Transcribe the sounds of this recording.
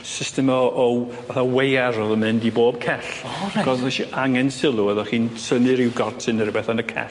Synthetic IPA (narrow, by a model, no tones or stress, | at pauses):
sɪstɛmɔʔɔ | vaθawejaɾɔðɔmɨndiboːb̚kʰɛɬaɡʰɔsɛʃiʔaŋɛnsɪlˠuɛðɔχiːnsənɨɾɪwɡɔrtʰɨnəɾəbɛθanəkʰɛ̰